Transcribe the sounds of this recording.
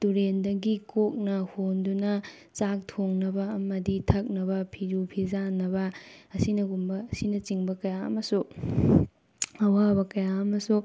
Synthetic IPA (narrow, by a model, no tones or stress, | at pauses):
tuɾendɐɡikok̚nɐhondunɐ | t͡ʃak̚tʰoŋnɐbɐːmɐditʰɐk̚nɐβɐpʰiɾupʰizanɐbɐɐsinɐɡumbɐːsinɐt͡ʃiŋbɐkɐjaɐ̰mɐsu | ɐwabɐkɐjaɐmɐsu